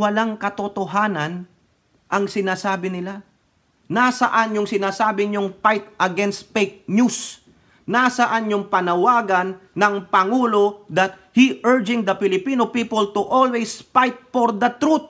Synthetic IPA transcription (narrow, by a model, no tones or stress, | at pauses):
wɐlaŋkɐt̪ot̪oɦaːnɐn | ʔɐŋsɪnaːsaːbɪnɪla | nasɐʔanjʊŋsɪnaːsaːbɪɲʊŋfajt̪ʔɐɡɛnst̪̚fejk̚nus | nasɐʔanjʊŋpɐnɐwaːɡɐnːɐŋpɐŋuːlo̞d̪ɐt̪̚hiʔəɹd͡ʒɪ̃ŋd̪ɐpɪlɪpiːnopiːpʊlt̪ʊʔolwejsfajt̪̚foɹd̪ɐt̪ɾut̪̚